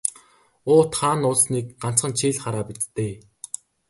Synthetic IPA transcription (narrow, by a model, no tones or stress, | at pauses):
ʊːt̪χaːnʊɮsniːk̚ɢan̥t͡sχə̆nt͡ɕʰiːɮχaɾaːpit͡st̪ːeː